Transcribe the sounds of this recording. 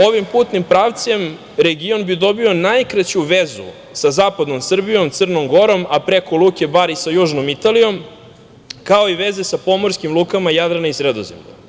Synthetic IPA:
o̞ʋimpuːt̪nimpɾaʋt̪sem | ɾeɡio̞nbid̪o̞bio̞najkɾat͡ɕuʋezṵ | sazaːpad̪no̞msr̩bijo̞mt̪sɨrnomɡo̞ɾo̞mapɾekolˠuːke̞baɾisajuːʒnomit̪alijo̞m | kao̞iʋe̞zesapo̞mo̞ɾskimlˠuːkamajad̪ɾanaisɾed̪o̰zemʎa̰

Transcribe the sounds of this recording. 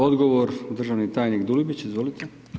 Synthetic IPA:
od̪ɡoʋoɾd̪rʒaʋnit̪aːjniɡd̪ulibit͡ɕizʋolit̪ʰe

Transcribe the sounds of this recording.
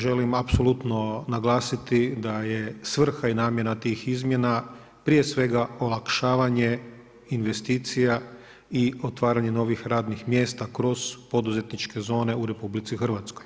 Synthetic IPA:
ʒe̞limapso̞lut̪no̞naɡlˠaːsit̪id̪ajesʋr̩xainaːmje̞nat̪iːxizmje̞na | pɾije̞sʋe̞ɡaolˠakʃaːʋaɲe̞ | inʋe̞st̪iːt̪sija | io̞t̪ʋaːɾaɲe̞no̞ʋixɾaːd̪nixmje̞ːst̪akɾo̞z̥po̞d̪uze̞t̪nit͡ʃke̞zo̞ːne̞uɾe̞publit̪sixr̩ʋat̪skoj

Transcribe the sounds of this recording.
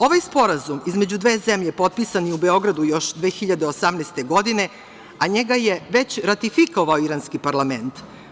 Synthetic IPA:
o̞ʋajspo̞ɾazumizme̞d͡ʑud̪ʋe̞ːzemʎe̞po̞t̪̚pisanjeubeo̞ɡɾad̪ujo̞ʃd̪ʋe̞ːxiʎad̪eosamnɛst̪e̞ɡo̞d̪ine̞ | aɲe̞ɡajeʋe̞t͡ɕɾat̪ifiko̞ʋaoiɾaːnskipaɾlame̞nt̪

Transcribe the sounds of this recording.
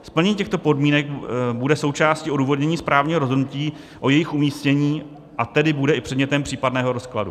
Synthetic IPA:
spl̩ɲɛɲːcɛxt̪o̞po̞dmiːnɛkbudɛso̞wt͡ʃaːscɪoduːvo̞dɲɛɲiːspɾaːvɲiːɦo̞ɾozɦodnuciː | ʔo̞jɛjɪxʔumiːscɛɲiː | ʔat̪ɛdɪbudɛʔɪpr̝̥ɛdɲɛt̪ɛmpr̥iːpadnɛːɦo̞ɾo̞skladṵ

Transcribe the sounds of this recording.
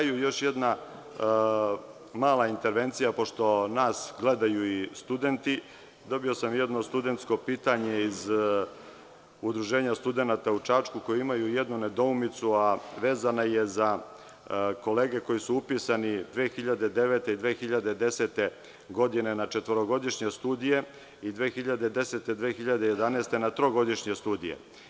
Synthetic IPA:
jujo̞ʃjed̪na | maːlˠaint̪e̞ɾʋe̞nt̪sijapo̞ʃt̪o̞naːsɡle̞d̪ajuist̪ud̪e̞nt̪i | d̪o̞bio̞samjɛd̪no̞st̪ud̪e̞nt̪sko̞piːt̪aɲe̞iz | ud̪ɾuʒe̞ːɲast̪ud̪e̞nat̪aut͡ʃaːt͡ʃkuko̞jiimajujed̪nune̞d̪o̞umit̪suaʋe̞ːzanaje̞za | ko̞le̞ːɡe̞ko̞jisuupisanid̪ʋeːxiʎad̪e̞d̪e̞ʋet̪eid̪ʋeːxiʎad̪ed̪e̞se̞t̪e̞ | ɡo̞d̪ine̞nat͡ʃe̞t̪ʋoɾoɡo̞d̪iʃɲe̞st̪uːd̪ije̞ | id̪ʋeːxiʎad̪ed̪e̞se̞t̪e̞d̪ʋeːxiʎad̪eje̞d̪anest̪e̞nat̪ɾo̞ɡo̞d̪iʃɲe̞st̪uːd̪ijḛ

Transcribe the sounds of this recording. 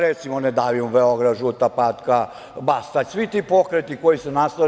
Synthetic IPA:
ɾet̪simoned̪aːʋimubeoɡɾaʒut̪apat̪ka | bast̪asʋit̪ipo̞kɾet̪ikojisenast̪a

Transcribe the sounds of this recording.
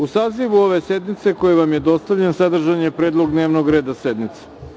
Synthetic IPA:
usaːziʋuo̞ʋe̞sed̪mit̪se̞ko̞jeʋamjed̪o̞st̪aʋʎensad̪r̩ʒaɲepɾeːd̪lˠo̞ɡd̪ne̞ːʋnoɡɾe̞ːd̪ased̪mit̪se̥

